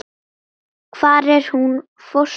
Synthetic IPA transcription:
kʰv̥aːɾɛɾ̥hun | fɔɾ

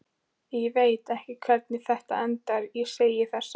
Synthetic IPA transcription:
jɛveːjt̪ɛhcɪkʰvɛɾt̪̚nɪθɛht̪a̰ɛnt̪aɾjɛseːjɪ̥θɛsː

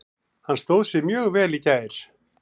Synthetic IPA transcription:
hanːst̪owðsjɛmjœːɣvɛːlicaːjɾ̥

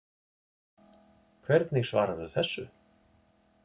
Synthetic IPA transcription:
kʰvɛɾt̪niɣsva̰ːɾaðʏθɛsːʏ

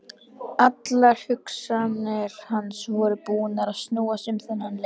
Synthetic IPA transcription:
at̪laɾ̥hʏksanɛɾ̥hanːsvɔɾʏpuːʏnaɾaðst̪nuːasɪmθɪnːanl

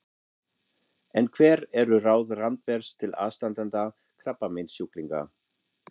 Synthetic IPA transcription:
ɛnkʰvɛːɾɛɾʏraːwðrant̪vɛɾ̥st̪ʰɪla̰ːst̪ant̪ant̪a | kʰɾapːamejnsjukliŋka̰

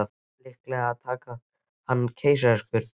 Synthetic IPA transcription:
a | lɪhklɛːɣaaðt̪ʰaːka | hanːcʰeːjsaɛskvʏɾ

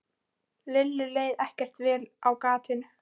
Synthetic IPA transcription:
lɪlːʏleːjðɛhcɛr̥t̪vɛːlawkaːt̪ɪnʏ

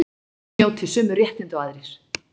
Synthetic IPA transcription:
oːwt̪ʰɪlsʏːmʏɾrjɛht̪ɪnt̪ʏaːðɾɪɾ̥

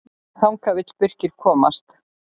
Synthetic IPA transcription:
θawŋkavɪt̪spʏr̥cɪɾ̥kʰɔːma̰st̪

